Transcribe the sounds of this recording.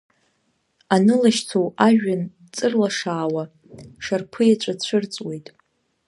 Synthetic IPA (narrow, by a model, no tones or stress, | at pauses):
anɨlaʃt͡sʰowaʒᶣan | t͡sʼɨrlaʂaːwa | ʂarpʰɨjat͡ʃʷʼat͡ɕʷʰɨrt͡sʼwejtʼ